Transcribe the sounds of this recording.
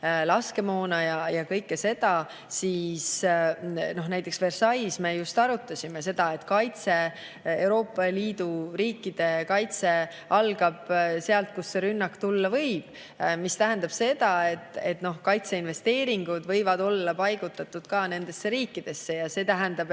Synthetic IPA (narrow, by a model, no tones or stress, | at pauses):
lɑske̞mo̞ːnɑjɑjɑkɤ̞jkːe̞se̞d̪̥ɑ | siːs | no̞ɦnæjt̪ːˑe̞ksve̞rsɑjsme̞just̪ɑɾut̪ːˑɑsʲime̞se̞d̪̥ɑe̞t̪ːkɑjt̪se̞ | ewɾo̞ːpˑːɑliːd̪̥uɾiːkːˑid̪̥e̞kɑjt̪se̞ | ɑlɡ̥ɑb̥se̞ɑlt̪̚kusːe̞ɾynːɑkt̪ulːɑvɤ̞jb̥ | mist̪æɦænd̪̥ɑb̥se̞d̪̥ɑe̞t̪ːˑe̞t̪no̞hkɑjt̪se̞inve̞st̪e̞ːɾiŋɡ̥ud̪vɤ̞jvɑd̪o̞lːɑpɑjɡ̥ut̪ːˑɑt̪ːˑud̪̥kɑːne̞nd̪̥e̞sːeɾiːkːid̪̥e̞sːe̞jɑse̞ːt̪æɦænd̪̥ɑb̥